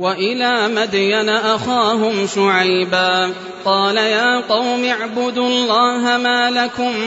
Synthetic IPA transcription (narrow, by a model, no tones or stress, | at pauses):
waʔɪlaːmad̪janaʔaxaːɦʊmʃʊʕajbaː | qɑːlajaːqɑwmɪaʕbʊd̪uːɑlˤːɑːɦamaːlakʊm